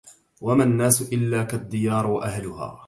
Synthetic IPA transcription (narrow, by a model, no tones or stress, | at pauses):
wamaːnːaːsʊʔɪlːaːkad̪ːɪjɑːɾˤwaʔahlʊha̰ː